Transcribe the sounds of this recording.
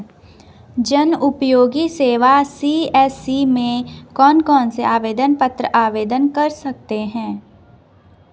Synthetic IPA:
d͡ʒɐnʊpjoːɡiseːʋasiːɛːsimẽkɔːnkɔːnseaːʋeːd̪ənpɐt̪ɾəʔaːʋeːd̪ənkɐɾsɐk̚t̪eɦɛ̃ː

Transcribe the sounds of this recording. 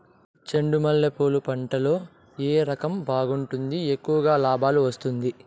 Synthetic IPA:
t͡ʃɐɳɖumɐlːepoːlupɐɳʈɐlo̞ː | eːɾɐkɐmbaːɡuɳʈund̪iekːuʋɐɡaːlaːbaːluʋɐst̪und̪i

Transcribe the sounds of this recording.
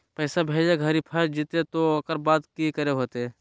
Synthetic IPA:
pɛːsabʱeːd͡ʒeɡʱəɾipʰəɾd͡ʒit̪et̪ookəɾbaːd̪kikəɾeɦoːt̪ː

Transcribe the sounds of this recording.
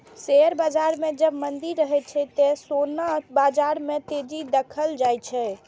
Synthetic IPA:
seɾbad͡ʒaɾmed͡ʒəbmənd̪iɾːəɦɛt͡ʃʰɛt̪esonabad͡ʒaɾmet̪ed͡ʒid̪əkʰəld͡ʒajt͡ʃʰɛ

